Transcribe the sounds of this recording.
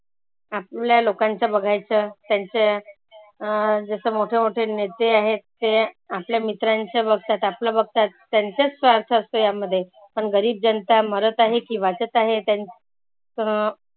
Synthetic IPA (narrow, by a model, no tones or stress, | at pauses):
ap̚ljalokaɲt͡ɕabəɡʱajt͡sət̪jaɲt͡ɕe | d͡zəsəːmoʈʰemoʈʰenet̪eaɦetːeapljamit̪ɾaɲt͡ɕabəɡ̚t̪at̪apləbəɡ̚t̪at̪ːjaɲt͡ɕat͡ssʋaɾt̪ʰəəst̪ojaməd̪ʱːje | pəɳɡəɾiːb̚d͡ʑənt̪aməɾət̪aɦekiʋat͡sət͡saɦet̪ja | ə